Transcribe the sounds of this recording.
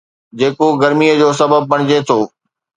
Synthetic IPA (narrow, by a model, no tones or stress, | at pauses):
d͡ʑeːkoɡɐɾmiəd͡ʑoːsɐbəb̚ːɐɽ̃ɪd͡ʑet̪ʰoː